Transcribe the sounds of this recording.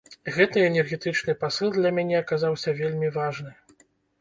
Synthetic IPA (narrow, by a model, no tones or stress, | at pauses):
ɣɛt̪ɨɛnʲɛrɣʲɛt̪ɨt͡ʂnɨpasɨlˠd̪lʲɐmʲanʲɛɐkazawsʲɐvʲelʲmʲivaʐnɨ